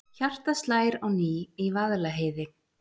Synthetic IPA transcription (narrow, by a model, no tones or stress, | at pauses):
çar̥t̪ast̪laːjɾawniːivaðlaɦejðɪ